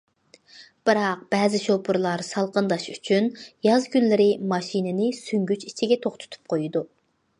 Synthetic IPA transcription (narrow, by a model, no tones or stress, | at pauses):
b̥ɨɾɑq̚b̥ɛːzɪʃopʰuɾlˠɑɾsɑlˠqənd̪ɑʃy̥t͡ʃʰynjɑzkʲynlɪɾɪmɑʃinɪnɪsyŋɡʲyt͡ʃit͡ʃʰiɡʲɛt̪ʰoχt̪ʰʊ̥t̪ʰu̥p̚qʰojud̪u